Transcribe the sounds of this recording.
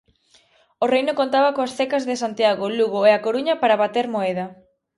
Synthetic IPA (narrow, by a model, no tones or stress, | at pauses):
orejnokont̪aβɐkoasθekazðesant̪jaɣoluɣoeakoɾuɲɐpaɾaβat̪eɾmoeð̞ɐ